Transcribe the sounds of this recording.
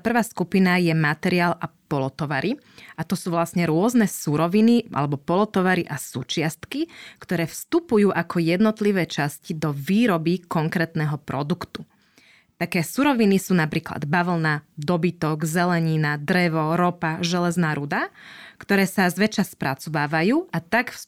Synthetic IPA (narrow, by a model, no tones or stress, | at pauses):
pr̩ʋaːskupinajɛmat̪ɛɾiaːlʔapɔlɔt̪ɔʋaɾʔi | ʔat̪ɔsuːʋlasɲɛɾʊɔznɛsuɾɔʋiniʔa̰lɛbɔpɔlɔt̪ɔʋaɾiʔasṵːt͡ʃɪast̪kikt̪ɔɾɛːfst̪upujuːʔakʰɔjɛd̪nɔt̪liʋɛːt͡ʃascid̪ɔʋiːɾɔbikɔŋkɾɛːt̪nɛɦɔpɾɔd̪ukt̪u | t̪akɛːsuɾɔʋinisuːnapɾiːkla̰d̪baʋl̩nad̪ɔbit̪ɔɡzɛlɛɲinad̪ɾɛʋɔɾɔpaʒɛlɛznaːɾud̪akt̪ɔɾɛːsazʋɛt͡ʃaspɾat͡sɔbaːʋajuːʔat̪akf